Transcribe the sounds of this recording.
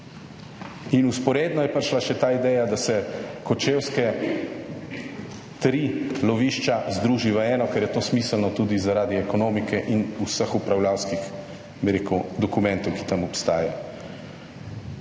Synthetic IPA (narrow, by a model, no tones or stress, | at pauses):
inuspɔɾeːd̪nɔjɛpəɾʃlaʃɛt̪aːid̪ɛːjad̪asɛkɔt͡ʃeːwskɛ | t̪ɾilɔʋiːʃt͡ʃazd̪ɾuːʒiʋəɛːnɔkɛɾjɛt̪oːsmiːsəlnɔt̪uːd̪izaɾaːd̪iɛkɔnoːmikɛʔinusəxupɾawljaːwskix | biɾeːkud̪ɔkumɛ̃nt̪ɔwki̥t̪amɔpst̪aːja